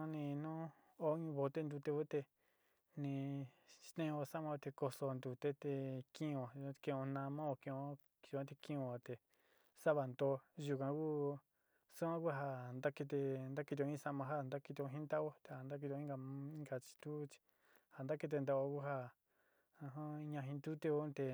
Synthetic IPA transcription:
ã˦nĩ˧nũ˦ | o˦ɲũ˧βo˧t̪e˦nd̪u˧t̪e˧βu˦t̪e˧ | nĩ˧ʃt̪ẽ˦õ˧sa˦mã˧o˧t̪e˧ko˧so˧nd̪u˧t̪e˦t̪e˧kĩ˦˧õ˨˧kẽ˧˨˧õ˧nã˧mã˦o˧kẽ˧˨õ˧ | ʒu˧kã˧˦t̪̬e˧kĩ˧˦õ˧˨t̪e˨ | sa˦βa˧˨nd̪o˧ʒu˧kã˧ku˦ | su˦ã˦ku˦ɦa˧nd̪a˦ke˧t̪̬e˧nd̪a˦ki˧t̪̬õ˧ĩ˦sa˧mã˧ɦa˦nd̪a˦ki˧t̪õ˧ɦĩ˦nd̪a˦o˦t̪e˨a˨nd̪a˦k̬i˧õ˧ĩ˦ɡa˧ĩ˦ŋɡa˧t͡ʃi̥˧t̪u˦t͡ʃi̥˧ | ha˨nd̪a˦ke˧t̪̬e˧nd̪a˧o˧ku˦ɦa˦ | ã˧ɦã˦ɲã˧ɦĩ˧nd̪u˦t̪e˦˧o˦t̪e˧

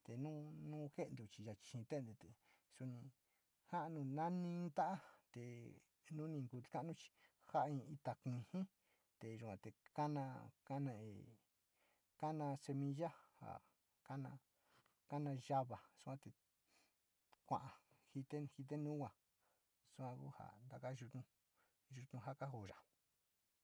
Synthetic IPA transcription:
t̪e˨nũː˦nũ˦xe˦ʔnd̪u˧˨t͡ʃi˧ja˧t͡ʃi̥˧ʃĩ˧t̪e˦nd̪e˧t̪e˨ | su˧nĩ˧ | ha˦ʔnũ˧nã˦nĩ˧˦˧t̪a˦ʔa˦t̪e˨ | nũ˦nĩ˧ŋku˧ka˦nũ˦t͡ʃi̥˧ | ha˦ʔĩ˧i˧t̪a˧kĩ˧hĩ˦ | t̪e˨ʒu˧kʷã˧t̪e˨ka˦nã˧ka˦nã˧e˧˨ | ka˦nã˧se˧mĩ˧ʒa˦ha̰˨ | ka˦nã̰˧ | ka˦nã˧ʒa˦βa˨su˦ã˧t̪e˨ | kʷã̰˧ʔã˨hi˧t̪e˦hi˧t̪̬e˦nũ˦ɡʷã˨ | su˧˦kʷã˧ku˦ha̰˨nd̪a˧ka˦ʒu˧t̪nũ˧ | ʒu˧t̪ũ˧ɦa˦ka˦ɦo˧˨ʒa˨

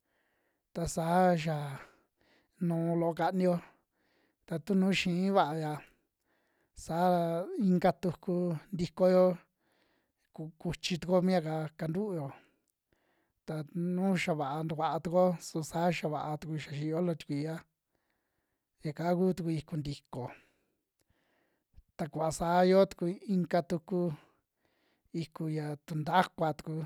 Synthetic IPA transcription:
t̪a˧saː˨˦ʃ̬a˨ | nũː˨˧lo˨o˧ka˧nĩ˧jo˧ | t̪a˧t̪u˦nũː˦ʃĩ˧˨˦βa˧˨ʔa˧ja˧ | saː˨˦˧i˧ŋɡa˧t̪u˧ku˧nd̪i˧ko˧jo˦ | ku˧ku˧t͡ʃi˧t̪u˧ko˦mĩ˦a˧ka˧ka˧nd̪u˦ʔjo˨˧ | t̪a˧nũː˦ʃa˧βa˨ʔa˧nd̪u˧kʷa˧ʔa˧t̪u˧ko˦su˧saː˨˦ʃa˧βa˨ʔa˧t̪u˧ku˧ʃa˨˧ʃi˧o˦lo˧t̪u̥˧kʷi˧ja˦ | ja˨ka˨˦ku˦t̪u˧ku˧i˧ku˧nd̪i˨ko˨ | t̪a˧kʷa˧saː˨˦jo˦t̪u̥˧ku˧i˧ŋka˧t̪u˧ku˦ | i˧ku˧ja˧˨t̪u˧nd̪a˦kʷa˧t̪u̥˧ku˧

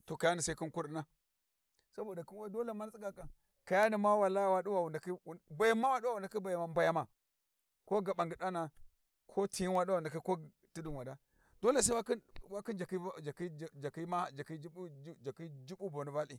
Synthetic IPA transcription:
to˨ka˨ja˦ni˨sa˦i˦ki˦nku˦ɾi˦na˦ | sa˦bo˨da˨ki˦a˦do˦le˨ma˦n˦t͡si˦ɡa˨ka˨ | ka˨ja˦ni˨ma˦wa˨la˦ja˨wa˦du˦wa˨wu˨nda˨ki˦˨ba˨ja˦ma˦wa˦du˦wa˦wu˨nda˨ki˦ba˨ja˨ma˨ba˨ja˨ma˨ | ko˦ɡa˨ɓa˨ŋɡi˨ɗa˦na˨ | kʰo˦ti˨ji˦wa˦da˦˨nda˨ka˦ko˦ | ti˦du˨nwa˨da˦ | d̥o˦le˨sa˦a˦ki˦wa˦ki˦nd͡ʒa˨ki˦d͡ʒa˨ki˦˨d͡ʒa˨ki˦ma˦d͡ʒa˨ki˦i˦d͡ʒa˨ki˦d͡ʒi˦bu˦bo˨ni˨va˦li˨

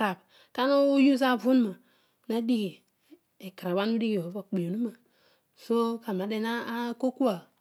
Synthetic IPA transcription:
ɾa˨b | ka˦na˦u˦ju˦z̬a˦˨vu˦n˦ma˨ | na˦di˦ɡi˨ | e˨kɾa˨ba˦n˦u˦di˦ɡi˨o˨˦ba˨k͡pe˨nu˦ma˨ | so˦ka˨ma˨de˨na˦a˦ko˦ku˦a˨

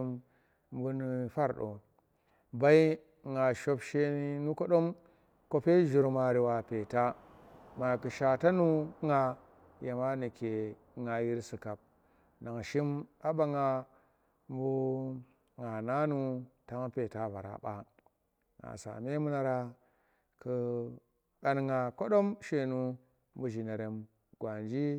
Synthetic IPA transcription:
m | m˦bu˦ni˨fa˦ɾɗo̰˨ | ba˦i˦ | ŋa˨ʃo˦bʃe˦ni˦nu˦ko˦ɗo˦m | ko˦pe˦ʒu˨ɾma˨ɾi˨wa˨pe˨ta˦ | ma˨kɨ˨ʃa˨ta˦nu˦ŋa˨ | ja˨ma˦ni˨ke˨˦ | ŋa˨ji˦ɾsi˨ka˨p̚ | na˨ŋ˨ʃi˦ma˦ba˦ŋa˦ | m˦bu˦ | ŋa˨na˦nu˦ta˦ŋ˦pe˨ta˦va˨ɾa̰˨ɓa̰˦ | ŋa̰˨sa̰˨me˦mu˦na˨ɾa˦ | ku˨ | ɗa˨nŋa˨ko˦ɗo˦mʃe˨nu˦ | mbu˦ʒi˨ne˨ɾe˨m | ɡ̥wa˨nd͡ʒi˦

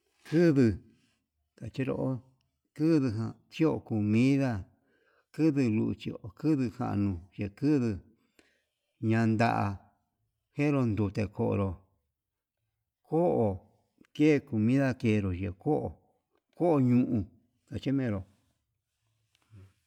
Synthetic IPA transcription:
kɨ˦ðɨ˧ | t̪a˨t͡ʃi˦ɾo̰˧ʔo˦ | kɨ˦ðɨ˧ɦã˧t͡ʃi˦o˧˨ku˨mĩ˦ða˦˧ | kɨ˦ðɨ˧lṵ˧ʔt͡ʃi˧o˧˨kɨ˦ðɨ˧hã̰˧˨ʔnũ˧ʒe˧˨kɨ˦ðɨ˧ | ɲã˧nd̪a̰˧ʔa˧ | hẽ˦ɾo˧nd̪u˧˨t̪e˧ko˧ʔo̰˧ɾo˧ | ko˦ʔo˧˨ | ke˦˨˧ku˨mĩ˦ða˦ke˧˨˧ɾo˨ʒe˨ko˦ʔo̰˨ | ko˦ʔo˧ɲũ˧ʔũ˧ | t̪a˨t͡ʃi˦mẽ˧˦ɾo˨˧

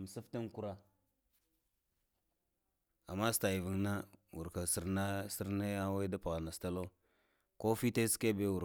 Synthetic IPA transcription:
m˨sa˦fta˦ŋku˦ɾa˦ | a̰˨ma˦sta˨i˨vi˨ŋna˦wṵ˨ɾka˨si˨ɾna˦si˦ɾna˦ja˦wa˦da˦pa˨ɣa˨na˨sta˦lo˦ | ko˦fi˦ta˦ske˦be˦wu˨

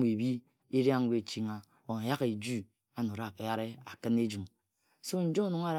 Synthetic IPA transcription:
e˨bi˦ | e˦ɾa˦ŋ̩˦ɡʷe˦˨t͡ʃi˦ŋa˨ | o˨na˨ja˦ke˨d͡ʒu˦ | a˦no˨ɾa˦˨ke˨ja˦ɾe˦a˨kɨ˦ne˦d͡ʒu˨m | so˦n̩˦d͡ʒo˦nu˨ŋa˦ɾ

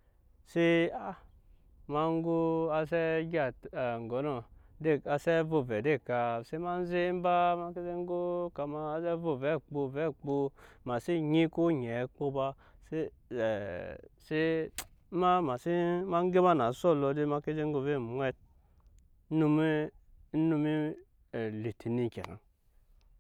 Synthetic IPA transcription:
se˦a˦ | ma˧ŋ˦ɡo˦a˧sɛ˦ɡʲa˦˨tŋ˨ɡɔ˨˦nɔ˨de˦˨a˧sɛ˦vo˧˨vɛ˨de˦˨ka˧se˦ma˦n˦ze˦m˦ba˦ma˧ke˦ze˦ŋ˦ɡo˦ka˧ma˧˦zɛ˦vo˨vɛ˨˦˨k͡pu˧vɛ˦˨k͡pu˧ma˨si˦ɲi˦ko˦ɲɛ˨˦k͡po˦ba˦ | se˦˨ | se˦ | ma˦ma˨si˦ma˦ŋ˦ɡe˦ma˦na˨˦so˦˨lo˧de˦ma˦ke˦ze˦ŋ˦ɡo˧ve˦˨˦wʷe˦t̚ | nu˧mi˦nu˧mi˦˨ | li˨tʰi˨ni˦˨kʲḛ˨na̰˨

